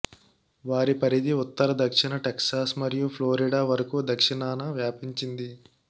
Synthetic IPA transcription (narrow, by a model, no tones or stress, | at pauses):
ʋaːɾipɐɾid̪iut̪ːɐɾɐd̪ɐkʂiɳɐʈeksaːsmɐɾijupʰloːɾiɖaːʋɐɾɐkuːd̪ɐkʂiɳaːnɐʋjaːpiɲt͡ʃind̪i